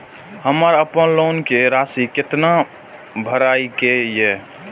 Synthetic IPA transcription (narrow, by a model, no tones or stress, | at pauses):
həməɾəpənloːnkeɾasikɪt̪na | bʱəɾaikeje